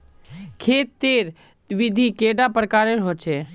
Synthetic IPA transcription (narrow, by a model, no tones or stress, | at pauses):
kʰeːt̪ːeːɾ | ʋɪd̪ʱikeːɖapɾəkaːɾeɾɦot͡ʃʰe